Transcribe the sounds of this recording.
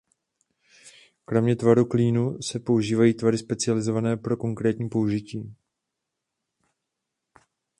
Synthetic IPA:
kɾo̞mɲɛt̪vaɾukliːnusɛpo̞uʒiːvajiːt̪vaɾɪspɛt͡sɪalɪzo̞vanɛːpɾo̞ko̞ŋkɾɛːt̪ɲiːpo̞uʒɪciː

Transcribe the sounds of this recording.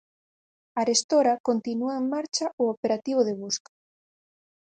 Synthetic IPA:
aɾest̪oɾakont̪inuaeŋmaɾt͡ʃaʔoopeɾat̪iβ̞oðeβ̞uskḁ

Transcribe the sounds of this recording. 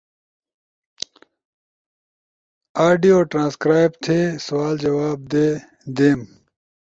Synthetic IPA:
aːɖijoːʈɾãːskɾaːjb̚t̪ʰeːsɐwaːld͡ʑɐwaːb̚d̪eː | d̪eːm

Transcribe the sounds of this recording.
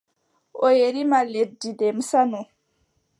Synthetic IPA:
ʔɔjeɾimaledːidɛmsanɔ

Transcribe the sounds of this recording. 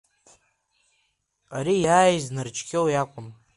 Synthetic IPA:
aɾijaːjznɨrt͡ʃʰʼkʲʰewjakʷʼʊm

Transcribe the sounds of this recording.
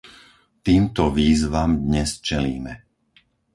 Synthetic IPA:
t̪iːmt̪ɔʋiːzʋamd̪ɲɛst͡ʃɛliːmɛ

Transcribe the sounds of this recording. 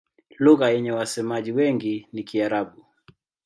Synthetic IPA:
luɣajɛɲɛwasɛmaʄiwɛŋɡinikiaɾaɓu

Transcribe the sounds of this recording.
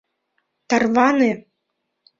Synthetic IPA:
t̪arvanɨ

